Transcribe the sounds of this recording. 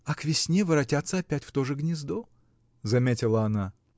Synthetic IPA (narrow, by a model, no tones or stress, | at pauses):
ɐkvʲɪsʲnʲevɨɾɐtʲat̪səɐpʲætʲft̪oʐɨɡnʲɪzd̪o | zɐmʲetʲɪlˠəɐna